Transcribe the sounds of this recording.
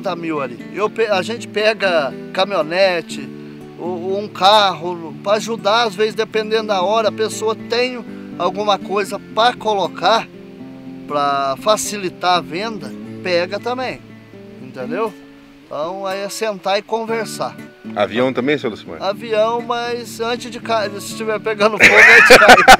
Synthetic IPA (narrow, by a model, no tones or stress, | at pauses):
t̪ɐmiwalḭewpɛaʒẽnt͡ʃɪ̥pɛɡɐkɐmionɛt͡ʃɪ | oũkaɦʊpɾɐaʒud̪aazvezɪzd̪epẽnd̪ẽnd̪ʊd̪aɔɾɐɐpesoɐt̪ẽj̃ʊawɡũmɐkojzɐpɾɐkolokaɾ | pɾɐfasilit̪aɐvẽnd̪ɐpɛɡɐt̪ɐ̃mbẽj̃ | ĩnt̪ẽnd̪ew | t̪ɐ̃w̃aiɐsẽnt̪aɪkõveɾsaa̰viɐ̃w̃t̪ɐ̃mbẽj̃selusimɐ̰̃aviɐ̃w̃mɐjzɐ̃nt͡ʃɪzd͡ʒɪkaɪɪst͡ʃivɛɾpeɡɐ̃nd̪ʊffoɡɐ̃t͡ʃkaz